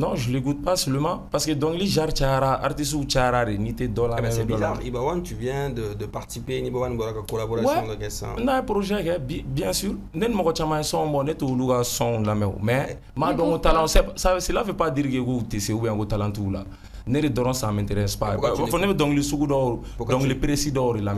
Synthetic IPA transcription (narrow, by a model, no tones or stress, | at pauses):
nɔ̃ʒəleɡut̚pasøləmãpaskedɔ̃ŋiliʒaɾt͡ʃajaɾaa̰ɾtis̬ut͡ʃajaɾaɾenĩtedɔ̃lamɛ̃ɛdɔ̃lãibawãtivjɛ̃dədəpaʁt̪i̥sipenĩbɔbanĩbɔɾakakolaboɾaswɛɔ̃dəkɛsã̰naɛpɾoʒɛkɛbɛ̃bjɛ̃syɾ | nenimɔɡɔt͡ʃamãesɔ̃bɔnetoːlukasɔ̃lamɛo̰mɛ | madɔ̃otalãsɛsaeselafɛpadiɾikekoutesẽubɛãŋkotalãntiula̰ | neɾedɔɾɔ̃sãmɛ̃nteɾɛ̃spaɾeafɔnebɛdɔ̃ɡilesuɡudɔo | dɔ̃ɡilepɾesidɔoɾelamɛ